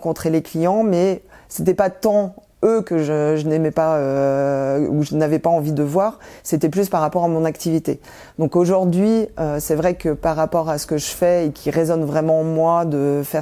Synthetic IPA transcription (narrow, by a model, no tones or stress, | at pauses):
kɔ̃t̪χeleklijɑ̃mɛ | set̪ɛpat̪ɑ̃ | økəʒəʒənɛmɛpaø | uʒənavɛpaɑ̃vid̪əvwaːʁset̪ɛplyspaʁːapɔʁamɔ̃nakt̪ivit̪e | d̪̥ɔ̃koʒuʁd̪ɥiøsɛvʁɛkəpaʁːapɔʁasə̥kəʒəfɛekʲʰiʁezɔnvʁɛmɑ̃mwad̪əfɛ